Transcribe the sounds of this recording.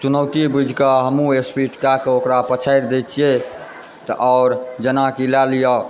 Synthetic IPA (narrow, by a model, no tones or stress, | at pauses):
t͡ʃunəʊʈibud͡ʒʱkəɦəmũespiʈkakeokɾapət͡ʃʰaɪɾd̪et͡ʃʰije | t̪ə̰ʔɔːɾd͡ʒənakilalijɔ